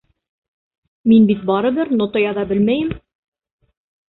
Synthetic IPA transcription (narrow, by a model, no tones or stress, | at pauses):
minbit̪̚bɑɾɤ̆βɘɾnŏt̪ojɑðɑbɘ̆lmæjɘm